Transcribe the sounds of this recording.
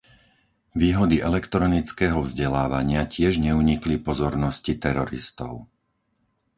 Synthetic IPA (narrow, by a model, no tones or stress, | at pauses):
ʋiːɦɔd̪iʔɛlɛkt̪ɾɔnit͡skɛːɦɔvzɟɛlaːʋa̰ɲɪacɪɛʒɲɛuɲiklipɔzɔɾnɔscit̪ɛɾɔɾḭst̪ɔ̰ʊ